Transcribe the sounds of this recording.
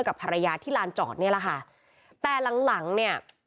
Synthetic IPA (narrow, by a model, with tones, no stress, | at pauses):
jka˨˩pʰa˧ɾa˧jaː˧t̪ʰiː˥˩laː˧nt͡ɕɔ̰ː˨˩t̪̚ni˥˩ɐla˨˩kʰa˥˩ | t̪ɛː˨˩la˩˦ŋla˩˦ŋni˥˩ɐ